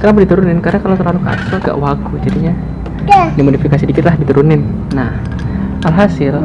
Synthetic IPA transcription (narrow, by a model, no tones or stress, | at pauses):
kaɾnabədit̪uɾunɪnkaɾakalawt̪ərlaluka̰soɡa̰ʔwaɡud͡ʒadiɲa | dimodifikasidikɪt̪lahdit̪uɾunɪnː | ah | alɦasɪl